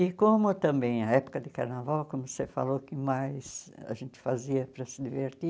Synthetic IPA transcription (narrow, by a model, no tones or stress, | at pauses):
ɪkõmʊt̪ɐ̃mbẽj̃ɐɛpʊ̥kɐd̪ɪkaɾnavawkõmʊsefa̰lokɪmajsa̰ʒẽnt̪ɪ̥faziɐpɾɐsɪd̪iveɾt̪i